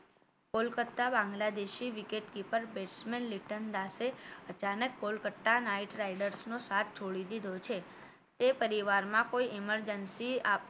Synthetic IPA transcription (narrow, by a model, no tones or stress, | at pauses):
kolkət̪ːabãŋɡlad̪eʃiʋikeʈkipəɾbeʈsmenliʈənd̪aseət͡ʃanəkːolkəʈːanaiʈɾajɖəɾsnosat̪̚ʰt͡ʃʰoɭid̪id̪ʱot͡ʃʰe | t̪epəɾiʋaɾmãkoiʔiməɾd͡ʒənsia